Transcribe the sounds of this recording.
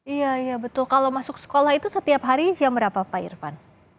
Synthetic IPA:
ijaijabət̪ʊlkalawmasʊksə̥kolahɦit̪usət̪iapɦaɾid͡ʒambəɾapafaɪ̰rfa̰n

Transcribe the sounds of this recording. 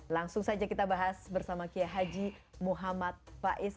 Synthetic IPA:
laŋsʊŋsad͡ʒakit̪abaɦasbərsamakiaɦad͡ʒimuɦamat̪̚paʔɪs

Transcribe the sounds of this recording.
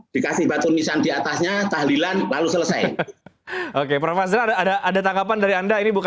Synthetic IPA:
d̥ikasɪhbat̪ʊnmisandiat̪asɲat̪ahlilanlalusələsa̰j | okepɾofas̬əɾaadaʔadat̪aŋɡapandaɾiandainibuk

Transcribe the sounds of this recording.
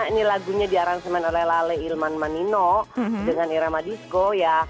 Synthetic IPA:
inilaɡuɲadiaɾansəmɛnolɛhlalɛilmanmaninɔdəŋaniɾamadiskoja

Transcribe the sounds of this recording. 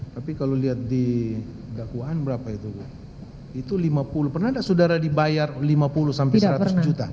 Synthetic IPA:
t̪apikaloliat̪̚di | dakuaʔːnbəɾapait̪uɡ | it̪ulimapulupərnahdasudaɾadibajarlimapulusampesɾat̪ʊsd͡ʒut̪a

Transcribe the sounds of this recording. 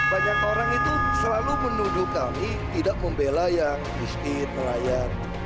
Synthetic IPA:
baɲakoɾaŋit̪usəlalumənud͡ʒukami | t̪idaʔməmbelajaŋmist̪it̪məlajar

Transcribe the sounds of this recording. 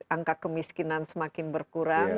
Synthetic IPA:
ʔaŋkakəmiskinansəmakɪnbərkuɾaŋ

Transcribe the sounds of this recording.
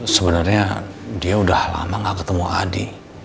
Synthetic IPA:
səbənarɲadiaudahla̰maŋakət̪əmuʔadi

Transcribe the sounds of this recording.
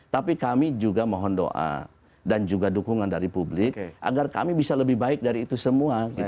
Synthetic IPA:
t̪apikamid͡ʒuɡamɔɦɔndo̰ʔa̰ | dand͡ʒuɡadukuŋandaɾipublɪkʔa̰ɡarka̰mibisaləbɪhbaɪk̚daɾiːt̪usəmuaɡi

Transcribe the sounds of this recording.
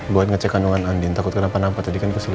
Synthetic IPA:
boat̪̚ŋət͡ʃɛkanuŋanandint̪akʊt̪̚kəlampanampat̪̚d͡ʒadikanit̪usil

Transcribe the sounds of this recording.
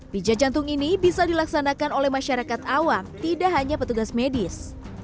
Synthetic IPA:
bid͡ʒad͡ʒant̪ʊŋinibisadilaksanakanolɛhmaʃaɾakat̪awamt̪idaʔɦaɲapət̪uɡasmedɪs

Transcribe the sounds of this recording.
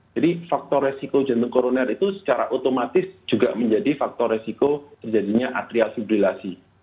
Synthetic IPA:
d͡ʒadifak̚t̪ɔresikod͡ʒant̪ʊŋkoɾonɛrit̪usə̥t͡ʃaɾaʔot̪omat̪ɪsd͡ʒ̥uɡa̰məɲd͡ʒadifak̚t̪ɔresikot̪ərd͡ʒadiɲaʔa̰t̪ɾialfibɾilasi

